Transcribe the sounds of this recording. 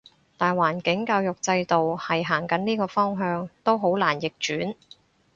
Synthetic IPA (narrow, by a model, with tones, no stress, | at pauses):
t̪aː˨jwaː˨˩nkɪ˨˥ŋkaː˧wjʊ˨k̚t͡sɐ˧jt̪o˨whɐ˨jɦaː˨˩ŋkɐ˨˥nniː˥kɔː˧fɔː˥ŋɦœː˧ŋt̪o˥wɦo˨˥wlaː˨˩njɪ˨k̚t͡ʃyː˨˥n